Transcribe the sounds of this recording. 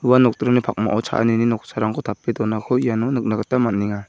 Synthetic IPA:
uwanɔk̚tɾɔnipʰak̚ma̰ʔɔwt͡ʃʰa̰ʔa̰nininɔk̚sʰaɾaŋkʰɔtʰapːedɔnakʰɔijanɔnɯk̚naɡatamanːiŋa

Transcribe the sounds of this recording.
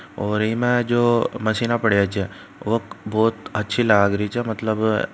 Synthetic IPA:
ɔːɾiːmẽd͡ʒoːməsiːnapəɽjat͡ʃe | ʋokboːt̪ətːʃʰilaːɡɾit͡ʃʰɛmɐt̪ləb

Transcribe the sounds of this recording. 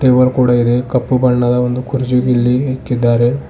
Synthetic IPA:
ʈeːʋɐɾkuːɽɐid̪e̞kɐpːubɐɳːɐd̪ɐond̪ukʰuɾd͡ʒuɡilːiɦeːkːid̪ːaːɾe̞

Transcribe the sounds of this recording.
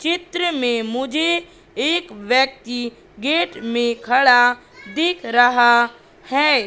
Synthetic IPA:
t͡ʃɪt̪ɾəmẽmʊd͡ʒʱe | eːkwjək̚t̪i | ɡeːʈmẽkʰɐɽa | d̪ɪkʰɾɐɦa | hɛː

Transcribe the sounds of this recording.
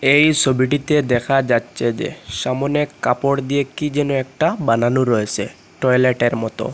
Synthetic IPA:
ejsʰobiʈ̬it̪ed̪ɛkʰad͡ʑatːɕʰed͡ʑḛʃamɔnekapoɽd̪ijekid͡ʑenuɛk̚ʈabananuɾɔet͡ɕʰe | ʈɔjleʈeɾmɔt̪o̰

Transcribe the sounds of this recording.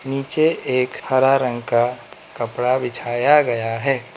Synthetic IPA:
niːt͡ʃeeːkhɐɾaɾə̃ŋɡkakɐpɽabɪt͡ʃʰaːjaɡɐjaɦɛː

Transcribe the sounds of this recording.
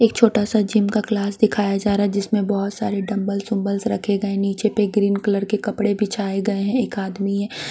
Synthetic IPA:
eːk̚t͡ʃʰoːʈasad͡ʒimkaklaːsd̪ɪkʰaːjad͡ʒaːɾaːɦɛd͡ʒɪsmẽbɔɦʊt̪saːɾeɖɐ̃mbəlsʊ̃mbəlsɾɐkʰeɡɐẽniːt͡ʃepeɡɾiːnkələɾkekɐpɽebʱit͡ʃʰaːeɡɐeɦɛ̃eːkaːd̪miɦɛ̃ː

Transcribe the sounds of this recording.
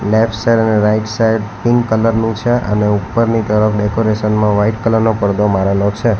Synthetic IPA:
lefʈsaɾəneɾaiʈsajɖpiŋɡkələɾnũt͡ʃʰeʔə̰neupːəɾnit̪əɾəfɖekoɾeʃənmãʋaiʈkələɾnopəɾd̪omaɾəlot͡ʃʰe

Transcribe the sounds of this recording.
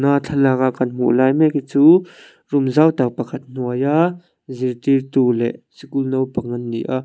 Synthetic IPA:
nat͡ɬʰɐlak̚ʔaʔkɐnm̥ṵʔlajmɛkit͡su | rʊmzawt̪apɐkʰɐt̪̚n̥uəja | zirt̪irt̪ulɛ̰ʔsikulnowpɐŋɐnːḭʔaʔ

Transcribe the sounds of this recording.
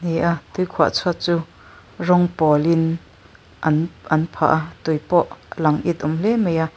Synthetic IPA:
nejʔat̪ujkʰua̰ʔt͡sʰat͡suː | rɔŋpɔlɪn | ʔnʔɐnpʰa̰ʔat̪ujpɔʔlɐŋʔit̪̚ʔumlɛmejʔa

